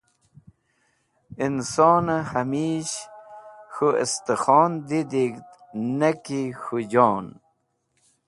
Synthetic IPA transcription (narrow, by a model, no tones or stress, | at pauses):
insoːnahɐmiːɕ | xuḛst̪exɔːnd̪id̪ikt̪ | nekixud͡ʑoːn